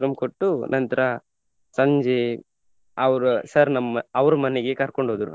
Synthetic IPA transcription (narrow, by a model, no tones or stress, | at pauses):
ɾɐmkoʈːunʔɐnt̪ɾɐ | sɐɲd͡ʒe | ɐʋɐɾusɐɾnɐmːɐɐʋɾumɐneɡe̞kɐɾko̞ɳɖoːd̪ɾu